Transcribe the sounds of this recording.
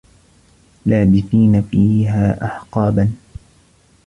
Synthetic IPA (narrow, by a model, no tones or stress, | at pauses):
laːbɪθiːnafiːɦaːʔa̰ħqɑːban